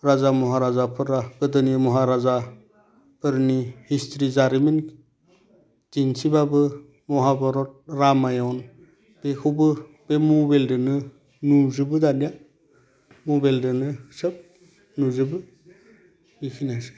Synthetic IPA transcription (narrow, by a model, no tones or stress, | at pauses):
ɾazamɔɦaɾazapʰɯɾaɡɯdɯnimɔɦaɾaza | pʰɯɾnihistʰɾizaɾimin | tinsibabɯ | mɔɦabɔɾɔt̚ɾamajɔn | b̥ekʰɯwbɯ | b̥emubeldɯnɯ | nuzɯbɯdanija | mubeldɯnɯsɯp̚ | nuzɯbɯ | bikʰinasɯ̥